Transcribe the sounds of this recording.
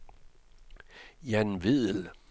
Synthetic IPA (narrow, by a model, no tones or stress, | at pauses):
jænʋið̰ˠl